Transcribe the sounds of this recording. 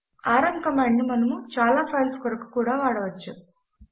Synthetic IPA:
aːɾɐŋkɐmaːɳɖnimɐnɐmut͡ʃaːlaːpʰɐːnskɐɾɐku̥kuːɽaːʋaːɽɐʋɐt͡ʃːu

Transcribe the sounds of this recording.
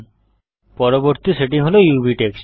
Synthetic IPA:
pɔɾoboɾt̪iseʈiŋɦolojubʱiʈeks

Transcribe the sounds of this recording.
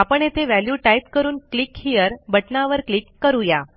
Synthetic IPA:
apəɳet̪ʰeʋæljuʈajp̚kəɾuːnklikhiəɾbəʈnaʋəɾklikːəɾuja

